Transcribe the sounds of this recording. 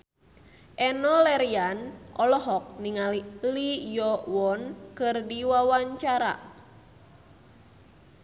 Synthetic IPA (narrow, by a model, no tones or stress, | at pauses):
ʔɛnɔlɛɾianʔɔlɔɦɔk̚niŋalilijɔwɔnkɨrdiwawaɲt͡ʃaɾa̰